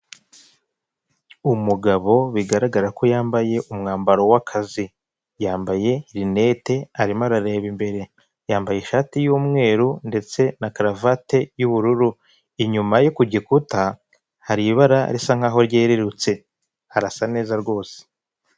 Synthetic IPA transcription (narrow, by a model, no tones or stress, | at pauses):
umuɡaβo̞βiɡaɾaɡaɾako̞jaːmbaje̞ʔumŋaːmbaɾo̞wakʰazi | jaːmbaje̞ɾine̞te̞aɾimaɾaɾe̞ːβimbe̞ɾe̞ | jaːmbajeʃaːtijuːmŋe̞ːɾunde̞t͡se̞nakaɾavate̞juβuɾuɾu | iɲumajokuɟikuta | haɾiβaɾa̰ɾisaŋ̥aːɦo̞ɾɟeːɾeɾut͡se̞ | haɾasane̞ːzaɾɡo̞ːse̥